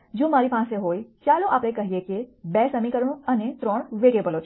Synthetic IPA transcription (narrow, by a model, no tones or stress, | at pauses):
d͡ʒoːmaːɾipãːseɦoːit͡ʃaːloʔaːpɾẽkɐɦiekebɛːsəmikəɾɽ̃õɐnet̪ɾɔːɽ̃ʋeːʈebəloːt͡ʃʰ